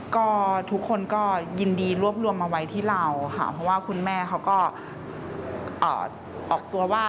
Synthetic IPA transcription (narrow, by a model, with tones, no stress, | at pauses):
kɔː˥˩t̪ʰu˦˥kʰːo˧nkɔː˥˩ji˧ndiː˧ɾu˥˩əp̚lu˧əmʔa˧wa˦˥jt̪ʰiː˥˩la˧wkʰa̰˦˥˩pʰɔ˦˥waː˥˩kʰu˧nmɛː˥˩kʰa˦˥wkɔː˥˩ | ʔɤ̰ː˨˩ | ʔɔː˨˩k̚t̪u˧ɐwaː˥˩